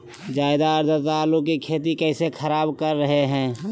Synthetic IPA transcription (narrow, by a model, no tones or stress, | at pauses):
d͡ʒaːɪd̪aəɾd̪ət̪aːlʊkkːikʰeːt̪̬ikɛːsekʰəɾaːbkəɾːɐɦeɦɛ̃ː